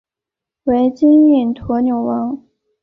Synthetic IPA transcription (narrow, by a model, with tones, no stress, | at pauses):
we˧˥ɪt͡ɕi˥ni˥˩nt̪ʰwɔ˧˥njo˨˩ʊwɑ˧˥ŋ